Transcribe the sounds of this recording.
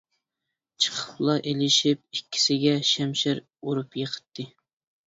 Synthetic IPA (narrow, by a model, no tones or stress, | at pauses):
t͡ʃʰə̥qʰəplˠɑʔelɪʃɪp̚ikʲʰːi̥sɪɡʲɛʃɛmʃɪɾ | uɾupjəqʰə̥t̪ʰːɨ